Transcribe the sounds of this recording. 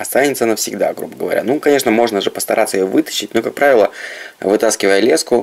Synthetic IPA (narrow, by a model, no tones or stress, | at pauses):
ɐst̪anʲɪt̪sənəfsʲɪɡd̪a̰ɡɾṵbəɡəvɐ̰ɾʲa̰nukɐnʲe̞ʂnəmo̞ʐnəʐɨpəst̪ɐɾʔat̪səjɪjovɨt̪ə̥ɕːɪt̚ʲnokak̚pɾavʲɪlˠəvɨt̪askʲɪvəjəlʲeskʊ